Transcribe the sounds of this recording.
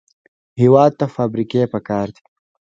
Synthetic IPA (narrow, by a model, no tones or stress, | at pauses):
hiwɑːd̪̚t̪afaːbɾikepɐkɑːɾd̪i̥